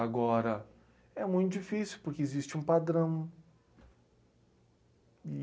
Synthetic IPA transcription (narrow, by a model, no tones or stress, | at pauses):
aɡɔɾɐ | ɛmũj̃t̪ʊd͡ʒifisjuwpoɾkeezist͡ʃɪũpad̪ɾɐ̃w̃